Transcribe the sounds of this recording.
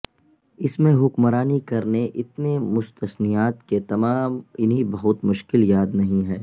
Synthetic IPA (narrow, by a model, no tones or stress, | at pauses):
ɪsmẽɦʊkmɾaːnikɐɾneʔɪt̪nemʊst̪əsnijaːt̪ket̪ɐmaːmɪnɦibɐɦʊt̪mʊʃkɪljaːd̪nɐɦĩɦɛː